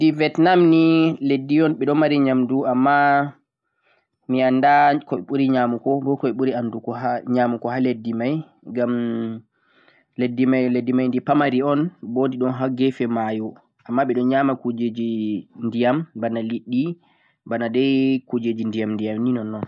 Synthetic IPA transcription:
ndivɛtnamniledːiɔnɓɛɗɔmaɾiɲamduamːa | miandakɔɛɓuɾiɲamukɔbɔkɔɛɓuɾiandukɔɦaɲamukɔhaledːimaj | ɡam | ledːimajledːimajndipamaɾiɔnbondiɗɔnɦaɡɛfɛmaju | amːaɓɛɗɔɲamakud͡ʒed͡ʒindijambanaliɗːi | banadɛjkud͡ʒed͡ʒindijamndijamninɔnːɔn

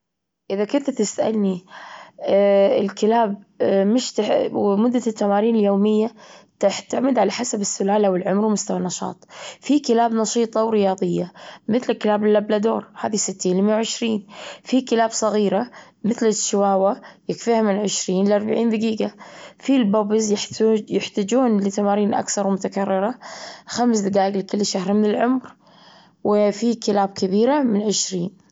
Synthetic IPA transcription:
ʔɪðakʊnt̪t̪ɪst̪ʔa̰lni | ɪlkɪlaːb̚mɪʃt̪mʊd̪ːat̪ːamaːɾiːnɪljoːmɪjːat̪aħt̪ːɪʕmɪd̪ʕalaħasabɪsːʊlaːlawɪlʕʊmɾwmʊst̪awanːɑʃɑ̰ːt̪ˤfikɪlaːbnɑʃiːt̪ˤɑwɾɪjɑːðˤɨjːamɪθlɪlkɪlaːbɪlːablad̪o̰ːɾhaːðisɪt̪ːiːnlɪmjawʕɪʃɾiːnfikɪlaːbsˤɑɣiːɾa | mɪθlɪʃːɪwaːwajɪkfiːhamɪnʕɪʃɾiːnlɪʔɑɾˤbaʕiːnd̪aɡiːɡafilbabɪzjɪjɪħt̪ad͡ʒuːnlɪt̪amaːɾiːnʔa̰kθɑɾˤwmʊt̪akarːɪɾaxamsd̪aɡaːʔɪɡlɪkʊlːʃahɾmɪnɪlʕʊmɾ | wɪfikɪlaːb̚kɪbiːɾamɪnʕɪʃɾiːn

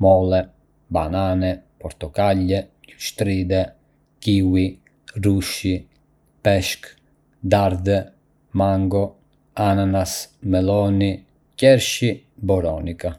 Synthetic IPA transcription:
mɔlɛ | ba̰nanɛpɔɾt̪ɔkalːɛ | uʃt̪ɾid̪ɛ | kiwi | ruʃi | pɛʃk | d̪aɾd̪ɛ | maŋɡɔ | ananasmɛlɔni | cɛɾʃi | bɔɾɔnika

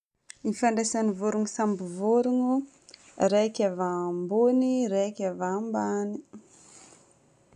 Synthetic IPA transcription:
nifaɳɖ͡ʐesanivuɾuŋisambivoɾuŋu | rekʲavambuniɾekʲavambani

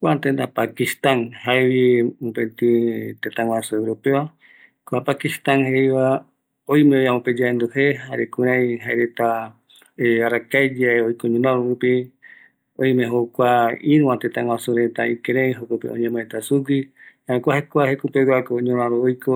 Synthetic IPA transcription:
kʷat̪end̪apakist̪anhaewiopet̪ĩt̪et̪ãŋwasuewɾopewa | koapakist̪anhejβa | ojmẽojamõped͡ʒaend̪uheɦaɾekũɾ̃ãj̃ɦaeɾet̪a | eaɾakajd͡ʒaeojkoɲũnãɾoɾupi | ojmẽɦokʷaiɾũwãt̪et̪ãŋwãsuɾet̪a̰ikeɾẽj̃ɦokopḛʔõɲẽmõet̪asuɡihaẽkʷahekʷahekupeɡakoɲõɾ̃ãɾoojko

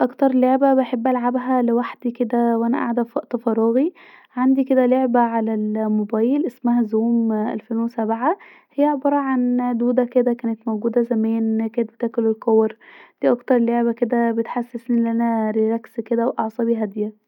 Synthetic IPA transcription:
ʔɑkt̪ɑɾˤloʕbæbeħebːʔælʕabɦælewaħd̪iked̪æwʔænæ̰ʔa̰ʕd̪æfɑʔt̪ɑfɑɾˤɑːɣi | ʕand̪iked̪æloʕbæʕalælmobæːjelʔesmæhæzuːmʔæ̰lfeːnwesæbʕa | hejːæʕobɑɾˤɑʕand̪uːd̪æked̪ækæːnet̪mowɡuːd̪æzæmæːnkæːnet̪̚bet̪æːkolelkowɾd̪̥iːʔɑkt̪ɑɾˤloʕbæked̪æbet̪ħasːesniʔelːiʔænæɾiɾæksked̪æwʔɑʕsˤɑbiɦæd̪ejæ

